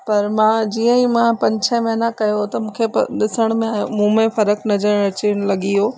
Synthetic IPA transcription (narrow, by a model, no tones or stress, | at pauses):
pɐɾmãd͡ʑiːə̃ĩmãpɐ̃ɲt͡ɕʰə̃mɐɦnakɐjot̪ɐmũːkʰepɗɪsəɽ̃mẽaːjṵ̃mũːmẽfɐɾəknɐzəɽ̃ɾɐt͡ɕiɽ̃lɐɠiɦoː